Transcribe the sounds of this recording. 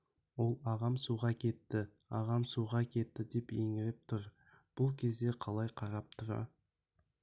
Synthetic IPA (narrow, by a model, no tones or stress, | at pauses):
wo̞lˠɑʁɑmsuʁɑkʲʰe̞t̪ːɪ | ɑʁɑmsuʁɑkʲʰe̞t̪ːɪd̪e̞peŋɪɾɪp̚t̪ʰʊɾ | b̥ʊlˠkʲʰe̞zd̪e̞qʰɑlˠɑjqʰɑɾɑp̚t̪ʰʊɾɑ̰